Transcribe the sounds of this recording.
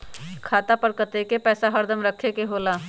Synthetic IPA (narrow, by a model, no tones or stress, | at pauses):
kʰaːt̪apəɾkət̪ekepɛːsaɦɐɾd̪ʱəmɾəkʰːekeɦoːlaː